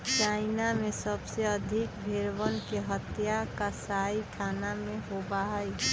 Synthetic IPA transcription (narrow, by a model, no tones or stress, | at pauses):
t͡ʃaːɪnamẽsəbseəd̪ʱɪkbʱeɾwənkeɦət̪jakasaiʈʰaːnamẽɦobaɦəj